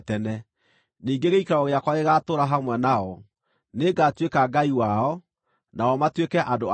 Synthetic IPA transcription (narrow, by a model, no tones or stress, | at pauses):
tɛnɛ | niːŋɡeɣeikaɾɔɣeakwaeɣatoɾaɦamwɛnaɔ | neɡatwekaɡaiwaɔ | naɔmatwekɛʔando